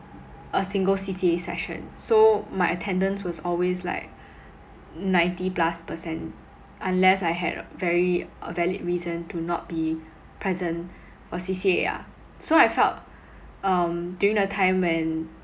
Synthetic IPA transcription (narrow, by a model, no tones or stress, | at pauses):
ʔəsɪ̃ŋɡəlsisiesɛ̰ʃə̰̃nsomaɪətʰɛ̃ndə̃nswɔsɔlwesla̰ɪk̚ | nãɪ̃ntiplaspəsɛ̃n | ʔãnlɛsaɪɦɛ̰dvɛɹiə̰vɛlid̚ɹizə̃ntunɔt̚b̥i | pʰɹɛzə̃n | fɔsisiḛa̰ | soaɪfɛlt̚ | ʌ̃mdjuɹĩŋdətʰãɪ̃mwɛ̃n